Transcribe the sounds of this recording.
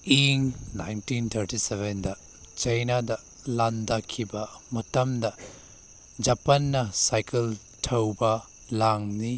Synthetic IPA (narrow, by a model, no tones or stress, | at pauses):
iŋna̰jntint̪ʰɐɾtiseβendɐ | t͡ʃɐjnadɐ | landakʰibɐmɐtɐmdɐ | d͡ʒɐpɐnːɐsajkɐl | tʰɐwbɐ | laŋni